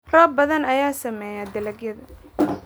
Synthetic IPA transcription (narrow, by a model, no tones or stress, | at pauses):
rɔːbɐðɐnɐjaːsɐmɛːjad̪ɐlɐɡjɐðɐ